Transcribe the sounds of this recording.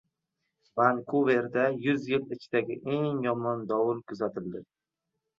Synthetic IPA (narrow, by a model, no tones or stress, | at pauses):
vankʰuve̞ɾd̪ajʊzjɪlɪt͡ʃʰɪd̪aɡʲɪ̰ʔe̞ŋjɒmɒnd̪ɒwʊɾkʰʊzat̪ʰɪld̪ɪ